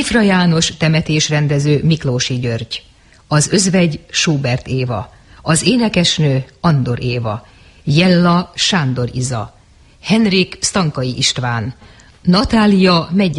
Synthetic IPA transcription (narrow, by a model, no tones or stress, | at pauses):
ifrɒjaːno̞ʃt̪ɛmɛt̪eːʃrɛnd̪ɛzøːmikloːʃiɟørɟ | ɒzø̞zvɛɟʃuːbɛrt̪eːvɒ̰ | ɒzeːnɛkɛʃnøːɒnd̪o̞ɾʔeːvɒ̰ | jɛlːɒʃaːnd̪o̞ɾḭzɒ̰ | hɛnrikst̪ɒŋkɒjiʔiʃt̪ʋaːnː | ɒt̪aːlijɒmɛɟ